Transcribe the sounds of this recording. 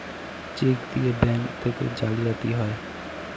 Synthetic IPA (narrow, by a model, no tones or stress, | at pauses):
t͡ʃeːɡt̪iebɛːnt̪ʰeko̰d͡ʒaːliat̪iɦɔe